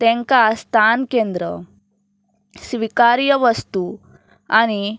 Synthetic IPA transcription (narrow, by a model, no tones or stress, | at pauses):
t̪ẽŋkast̪ʰankend̪ɾə̰ | sʋikaɾijəʋəst̪u | a̰ni